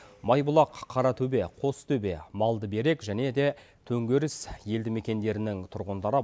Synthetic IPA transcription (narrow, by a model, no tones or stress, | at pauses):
mɑjbʊlˠɑqʰːɑɾɑt̪ʰɵbe̞qʰo̞st̪ʰɵbe̞̰mɑlˠd̪əbe̞ɾe̞kʒæne̞d̪e̞ | t̪ʰɵŋɡʲeɾɪsje̞ld̪ɪme̞kʲe̞nd̪e̞ɾɪnɪŋt̪ʰʊɾʁənd̪ɑɾə